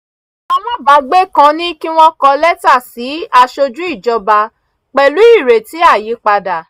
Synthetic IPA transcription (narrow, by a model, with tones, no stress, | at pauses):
a˧w̃ɔ̃˦ba˨˦ɡ͡be˦kã˧nĩ˦ki˦w̃ɔ̃˦kɔ˧lɛ˦ta˦˨si˨˦a˧˨ʃo˧d͡ʒu˦i˦˨d͡ʒɔ˧ba˧ | k͡pɛ˨lu˨˦i˦˨ɾe˨ti˨˦a˦˨ji˨˦k͡pa˧da˨